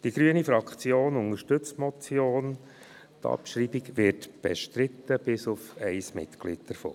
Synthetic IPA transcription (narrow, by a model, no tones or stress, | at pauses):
d̥iɡɾyənifɾɑkχt͡sjoːnʊŋəɾʃtɵt͡smɔt͡sjoːn | t̪ʰɑ̰pʃɾiːbiɡʋɪtb̥ɛ̰ʃtɾɪt̪ːəb̥ɪsʊfɛɪsmɪ̰t̪klḭːd̚d̥əɾfo̰ː